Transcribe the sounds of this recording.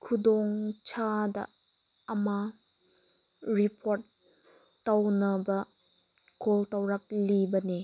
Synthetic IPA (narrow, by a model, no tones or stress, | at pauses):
kʰudɔŋt͡ʃʰadɐ̰ː | ma | ɾipʰoɾtː | awnɐbɐ | koltawɾɐk̚libɐne